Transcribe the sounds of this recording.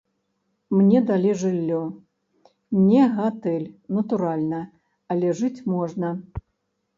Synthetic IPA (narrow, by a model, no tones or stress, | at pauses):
mnʲɛd̪alʲiʐɨlʲːɔ | nʲɛɣat̪ɛlʲnɐt̪uɾalʲnɐ | ɐlʲɛʐɨt͡sʲmɔʐnɐ